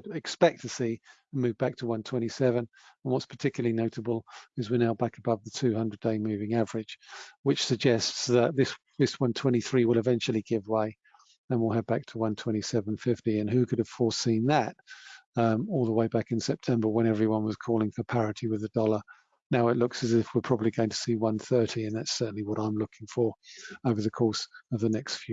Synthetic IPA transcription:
ɾɪkspɛk̚tʰɨsi | ə̃nmʉvbæk̚tʰəwʌ̃ntʰw̥ɛ̃ɾ̃isɛvə̃nə̃n̩wʌtspʰə˞tʰɪkjl̩əlˠinoʊɾəbəl̩ˠɨzwinaʊbækəbʌvðətʰʉhʌ̃ndɹɨdeɪmʉvɪ̃ŋævə˞ɨ̥ʒ̥wɨt͡ʃsɨɡ̚d͡ʒɛstsðət̪̚ðɪs | ðɪswʌ̃ntʰw̥ɛ̃ɾ̃iθɹiwəlˠɨvɛ̃nt͡ʃl̩ˠiɡɪvweɪ | ɨ̃nwɪlˠɨd̚bæk̚tʰəwʌ̃ntʰw̥ɛ̃ɾ̃isɛvə̃n̩fɪftiɨ̃nɦʉkʰʊɾɨv̥fɔɹsĩnðətʌɔlˠðəweɪbækɨ̃nsɛp̚tʰɛ̃mbə˞wə̃ɾ̃ɛvɹiwʌ̃nwʌz̥kʰɔlˠɪ̃ŋfə˞pʰæɹɨɾiwɨðɨdɔlˠə˞ | naʊɨtˡlʊksɨzɪfwɪpʰɹ̥ɑbəbliɡoʊɪ̃ŋtʰə̥siwʌ̃nθɜ˞ɾiɨ̃nðætsɜ˞ʔn̩liwʌɾãɪ̃mlʊkɪ̃ŋfə˞oʊvə˞ðɨkʰɔɹsʌvðɨnɛkstfjʉ

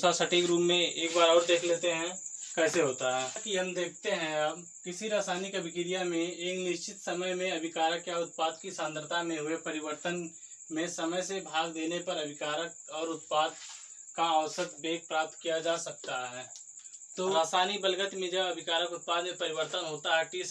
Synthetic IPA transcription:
sasəʈeːkɾuːmːẽeːkbaːɾɔːɾd̪eːkʰleːt̪eɦɛ̃kɛːseɦoːt̪aɦɛːkiɦɐmd̪eːk̚ʰt̪eɦɛ̃ɐb | kɪsiɾaːsaːnikɐbʱɪkɪɾijamẽeːknɪʃt͡ʃɪt̪sɐməjmẽɐbʱɪkaːɾəkjaʊt̪̚paːd̪̚kisãnd̪əɾt̪ʰamẽɦʊepɐɾɪwəɾt̪ən | mẽsɐməjsebʱaːɡd̪eːnepɐɾɐbʱɪkaːɾəkɔːɾʊt̪̚paːd̪̚ | kaɔːsət̪beːk̚pɾaːp̚t̪kijad͡ʒaːsɐk̚t̪aɦɛː | t̪oːɾaːsaːnibəlɡət̪mẽd͡ʒɐbɐbʱɪkaːɾəkʊt̪̚paːd̪mẽpɐɾɪʋəɾt̪ənɦoːt̪aɦɛkis

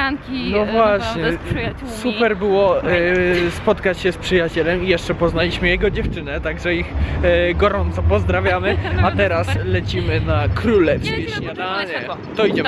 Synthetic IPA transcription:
kʲinɔvwaɕɲɛ | supɛɾbɘwɔ | spɔt̪kat͡ɕɕɛspʂɘjat͡ɕɛlɛmijɛʂt͡ʂɛpɔznalʲiɕmɘjɛɡɔd͡ʑɛft͡ʂɘnɛt̪aɡʐɛixɡɔɾɔnt̪sɔpɔzd̪ɾavʲjamɘat̪ɛɾaslɛt͡ɕimɘnakɾulɛfskʲeɕɲʲad̪aɲɛ | t̪ɔiɲɛ

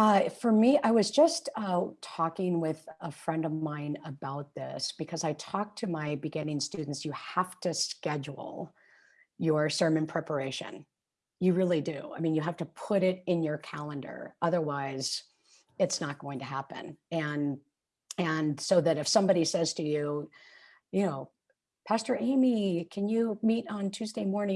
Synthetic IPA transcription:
ʌfə˞miʔaɪwʌzd͡ʒʌstʌtʰɔkɪ̃ŋwɪðəfɹɛ̃ndʌvmãɪ̃nəbaʊt̪̚ðɪ̰sb̥ɨkʰʌzaɪtʰɔk̚tʰɨmaɪbɨɡɪ̃nɪ̃ŋstʉdⁿn̩tsjɨhæftɨskɛd͡ʒl̩ˠ | jə˞sɜ̃˞mɨ̃npʰɹ̥ɛpə˞eɪʃɨ̰̃n | jɨɹɪlˠidʉ̰a̰ɪmĩnjɨɦæftɨpʰʊɾɪɾɨ̃njə˞kʰælˠə̃ndə̰˞ʔʌðə˞waɪz̥ | ɨtsnət̚ɡ̥oʊɪ̃ŋtʰɨɦæpɨ̰̃nɨ̃n | ɨ̃nsoʊðɨɾɨfsʌ̃mbɑɾisɛz̥tʰɨjʉ | jɨnoʊ | pʰæstə˞ʔẽɪ̃mikʰɨ̃njɨmiɾn̩tʰʉzdeɪmɔɹnɪ̃

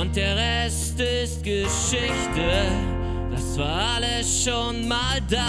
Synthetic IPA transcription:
ʊnt̚d̥eːɐʁɛ | stɪst̚ɡ̥ə | ʃɪçtə | d̥asv̥aːɐaləsʃoːnmaːlda

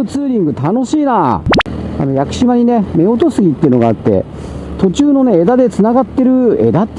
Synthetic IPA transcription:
ɯt͡sɨːɾʲĩŋɡɯ̟t̪ano̞ɕiːnaː | a̰no̞jakɯ̟̥ɕimaɲ̟ine̞me̞o̞t̪o̞sɨɡʲit̪ːeiɯ̟no̞ɡaːt̪ːe̞̰ | t̪o̞t͡ɕɨːno̞ne̞ːd̪ad̪e̞t͡sɨnaɡat̪ːe̞ɾɯ̟e̞̰d̪at̪ː

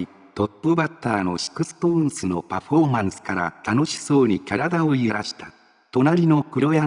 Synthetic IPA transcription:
t̪o̞pːɯbat̪ːaːno̞ɕi̥kɯ̟sɨ̥põ̞ɰ̃sɨno̞paɸo̞ːmãɰ̃sɨ̥kaɾa̰t̪ano̞ɕi̥so̞ːɲ̟ikaɾad̪aoieɾaɕi̥t̪ḁ | t̪o̞naɾʲino̞kɯ̟ɾo̞ja

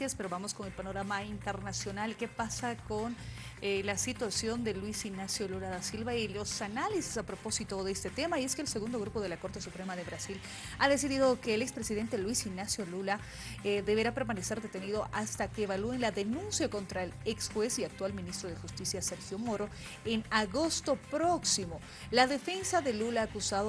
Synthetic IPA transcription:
aspeɾo̞βamo̞sko̞ne̞lpano̞ɾamaint̪e̞ɾnasjo̞nalke̞pasako̞nelasit̪wasjo̞nd̪e̞lwisiɡnasjo̞lulaðasilβailo̞sanalise̥sapɾo̞po̞sit̪o̞ðest̪e̞t̪e̞maie̞skeːlse̞ɣund̪o̞ɣɾupo̞ð̞e̞lako̞ɾt̪e̞supɾe̞maðe̞βɾasil | aðe̞siðiðo̞ke̞ːlekspɾesiðe̞nt̪elwisiɡnasjo̞lula | ðe̞βe̞ɾape̞ɾmanese̞ɾðe̞t̪e̞niðo̞ʔast̪akeːβaluenlaðe̞nũnsjako̞nt̪ɾaeleksxwe̞siak̚t̪walmĩnist̪ɾoð̞exust̪isjase̞ɾxjo̞mo̞ɾo̞ | enaɣo̞st̪o̞pɾo̞ksimo̞ | laðe̞fe̞nsaðe̞lulaːkusaðo

